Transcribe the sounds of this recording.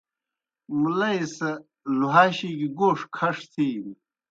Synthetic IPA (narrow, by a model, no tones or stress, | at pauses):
mulɐjsɐ | luɦaːɕiɡiɡoːʂkʰɐʂt̪ʰiːm